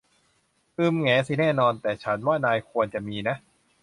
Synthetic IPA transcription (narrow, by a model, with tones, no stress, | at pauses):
ʔɯː˧˩mŋɛː˩˦si˨˧˩nɛː˥˩nɔː˧nt̪ɛː˨˩t͡ɕʰa˦˥nwaː˥˩naː˧jkʰu˧ənt͡ɕa˨˩ʔmiː˧na˦˥ʔ